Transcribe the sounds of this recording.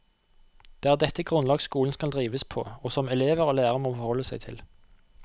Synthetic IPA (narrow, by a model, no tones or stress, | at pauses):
d̪̥eːæːʁd̪ɛt̪ːəɡʁʊnlɑːɡskuːln̩skɑld̪ʁiːʋəspʰo̰ːoːsɔmɛleːʋəʁoːlæːʁəmoːfɔʁhɔlːəsæɪt̪ʰɪ̰l